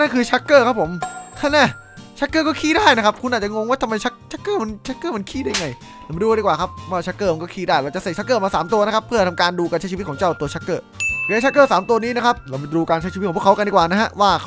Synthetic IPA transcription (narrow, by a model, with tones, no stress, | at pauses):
na˥˩kʰɯː˧t͡ɕʰa˦˥kːɤː˥˩kʰa˦˥pʰːo˨˩˦mt̪ʰa˥˩naː˥˩ | t͡ɕʰa˦˥kːɤː˥˩kɔː˥˩kʰiː˥˩daː˥˩jna˦˥kʰa˦˥p̚kʰu˧nʔaː˨˩t̚t͡ɕa˨ʔŋo˧ŋwaː˥˩t̪ʰmːa˧jt͡ɕʰa˦˥k̚t͡ɕʰa˦˥kːɤː˥˩ma˧nt͡ɕʰa˦˥kːɤː˥˩ma˧nkʰiː˥˩da˥˩ja˧ŋa˧j | la˧˩m˧duː˧˥˩diː˧˩kwaː˨˩kʰa˦˥p̚waː˥˩t͡ɕʰa˦˥kːɤː˥˩ma˧nkɔː˥˩kʰiː˥˩daː˥˩jɾa˧˩t͡ɕa˨se˨˩t͡ɕʰa˦˥k̬ːɤː˥˩˨maː˧saː˩˦mt̪u˧ɐna˦˥kʰpʰɯ˥˩ɐt̪ʰa˧mkaː˧nduː˧ka˧nt͡ɕa˦˥jʰi˧˦t̚kʰɔ˩˦t͡ɕa˥˩wt̪u˧ɐt͡ɕʰa˦˥kːɤː˥˩˨a˦˥˩a˦˥kːɤː˥˩saː˨˩˦mt̪u˧ɐniː˦˥na˦˥kʰa˦˥p̚ɾa˧wma˧duː˧kaː˧nt͡ɕʰa˦˥jʰi˧˦˥t̪̚kːʰkʰkdiː˧kwaː˨˩na˦˥ɦa˦˥waː˥˩